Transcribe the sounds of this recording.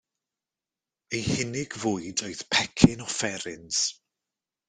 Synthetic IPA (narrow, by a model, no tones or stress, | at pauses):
ejhɪnɪɡvʊːɨdɔɨθpʰɛkʰɪnɔfɛɾɪns